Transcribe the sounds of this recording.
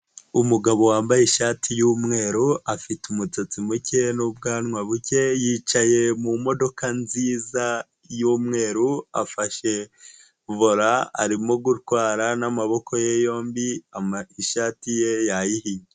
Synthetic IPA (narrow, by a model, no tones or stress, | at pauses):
umuɡaβo̞waːmbajeʃatʰijuːmŋe̞ːɾuafitumut͡so̞t͡simuce̞nubɡaːnŋwaβuce̞jiːt͡ʃaje̞mumo̞do̞kanziːza | juːmŋe̞ːɾua̰faʃe̞ | voɾaa̰ɾimo̞ɡutkwaːɾanamaβo̞kʰo̞jejo̞ːmbiaiʃaːtije̞jajihiɲe